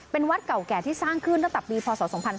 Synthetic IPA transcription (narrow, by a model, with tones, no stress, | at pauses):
pe˧nwa˦˥t̪̚ka˨˩wkɛː˨˩t̪ʰiː˥˩saː˥˩ŋkʰɯ˥˩nʰa˥˩t̪a˨˩pːiː˧pʰɔː˧sɔː˩˦so˩˦ŋpʰa˧n